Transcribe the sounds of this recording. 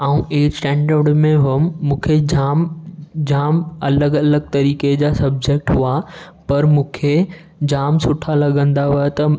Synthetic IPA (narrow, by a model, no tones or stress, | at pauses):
aːũʔeːɾsʈɛ̃ːɳɖəɾɽmẽɦʊəmːũːkʰed͡ʑaːmd͡ʑaːmɐləɡɐləɡ̚t̪ɐɾiːked͡ʑaːsɐb̚d͡ʑek̚ʈɦʊa | pɐɾmũːkʰe | d͡ʑaːmsʊʈʰalɐɠə̃nd̪aɦʊet̪ɐ